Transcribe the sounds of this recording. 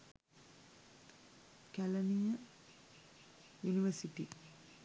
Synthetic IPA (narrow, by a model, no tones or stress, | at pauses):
kælənijə | juniʋəsiʈi